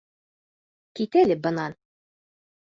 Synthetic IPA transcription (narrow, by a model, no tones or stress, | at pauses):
kit̪ælɘbɤ̆nɑn